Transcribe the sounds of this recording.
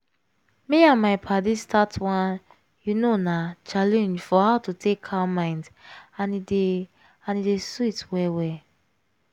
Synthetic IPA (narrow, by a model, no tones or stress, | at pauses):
meãnmaɪpʰadistʰatwãn | junonat͡ʃalɛ̃nd͡ʒfɔhaʊtutʰekʰamãɪ̃ndãnide | ãnideswitwɛwɛ